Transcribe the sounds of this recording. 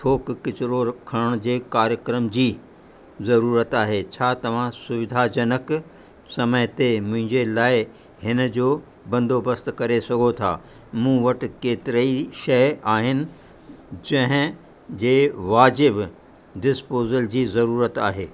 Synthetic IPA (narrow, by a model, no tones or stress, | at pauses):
t̪ʰoːkkɪt͡ɕɪɾoɾkʰɐɽ̃d͡ʑeːkaːɾjəkɾəmd͡ʑiː | zɐɾuːɾət̪aːɦet͡ɕʰaːt̪ɐʋ̤ãsʊʋɪd̪ʱad͡ʑɐnək | sɐməɦt̪emʊ̃ɦɪ̃ɲd͡ʑelaːɪ | ɦɪnəd͡ʑoː | bɐ̃nd̪ʱobəst̪kɐɾesɐɡʱot̪ʰa̰ː | mũːʋɐʈɪ̆keːt̪ɪɾəiʃɐjaːɦɪnɪ̆ | d͡ʑɐ̃ɦɪ̃ | d͡ʑeːʋaːd͡ʑɪb | ɖɪspoːzəld͡ʑiːzɐɾuːɾət̪aːɦeː